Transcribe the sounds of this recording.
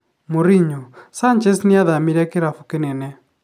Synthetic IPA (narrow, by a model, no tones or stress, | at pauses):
moɾiɲosant͡ʃɛsnɪaðamiɾɛkɪɾafukenɛnɛ